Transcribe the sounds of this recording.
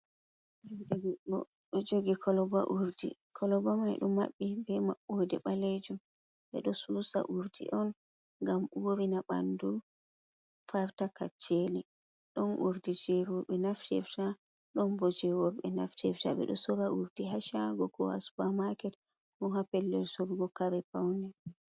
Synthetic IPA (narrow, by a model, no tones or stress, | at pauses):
ɛd͡ʒɡiɗɔ | ɓɛd͡ʒoɡikʰɔlɔba̰ʔuɾdḭkʰɔlɔbamajɗumːa̰ɓːibɛmaɓːodɛɓaled͡ʒum | ɓɛ̰ɗɔsuːsa̰ʔuɾdḭʔɔn | ŋɡamuoɾinaɓa̰ndu | faɾtakat͡ʃːeli | ɗɔnʔuɾdid͡ʒɛɾɔɓɛnaftɛ̰fta | ɗɔnbɔd͡ʒɛwɔɓɛnaftʰɛftaɓɛ̰ɗɔsɔɾaʔuɾdiɦaʃaɡɔkɔ̰a̰sbamakɛt | hɔɦapɛlːɛlsɔɾɡɔkaɾɛpawnɛ